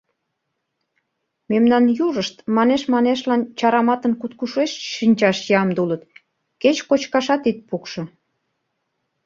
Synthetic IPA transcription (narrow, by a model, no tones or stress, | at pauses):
memnɑnjuʒəʃt̪mɑneʃmɑneʃlɑnt͡ɕɑɾɑmɑt̪ənkut̪kuʃeʃʃinʲt͡ɕɑʃjɑmd̪ulət̪ | ket͡ɕkot͡ɕkɑʃɑt̪it̪̚pukʃŏ